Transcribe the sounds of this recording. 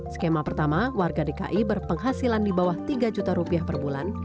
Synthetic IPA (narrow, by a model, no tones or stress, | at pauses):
skemapərt̪amawarɡadeka̰ʔibərpəŋɦasilandibawaht̪iɡad͡ʒut̪aɾupiahpərbulan